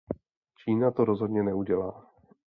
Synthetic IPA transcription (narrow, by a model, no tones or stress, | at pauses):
t͡ʃiːnat̪oɾo̞zɦo̞dɲɛnɛuɟɛlaː